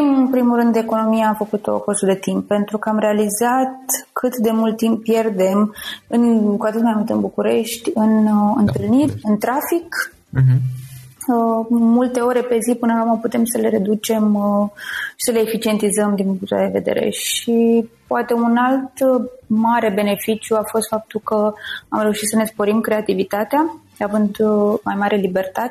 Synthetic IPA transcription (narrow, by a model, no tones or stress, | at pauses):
imɨnpɾimulrɨnd̪e̞ko̞no̞mijaːfəkut̪o̰kost̪ud̪e̞t̪impːe̞nt̪ɾukəamɾealizat̪kʰɨt̪d̪e̞mult̪t̪ːimpːje̞rd̪e̞mɨnkuat̪ɨt̪majmult̪ɨnbukuɾe̞ʃt̪ʲɨnɨ̰nt̪ɨlnirʲɨnt̪ɾafik | əmult̪e̞o̞ɾe̞pe̞zipɨnəakuməput̪e̞msəle̞ɾe̞d̪ut͡ʃe̞m | ʃi̥səleːfit͡ʃie̞nt̪izəmd̪impuŋkt̪ua̰d̪e̞ve̞̰d̪e̞̰ɾe̞̰ʃipoat̪e̞unalt̪maɾe̞be̞ne̞fit͡ʃjuafo̞st̪fap̚t̪ulkəa̰mɾe̞uʃit̪səne̞spo̞ɾimkɾe̞at̪ivit̪at̪ea | avɨnd̪majmaɾʔelibe̞rt̪at̪e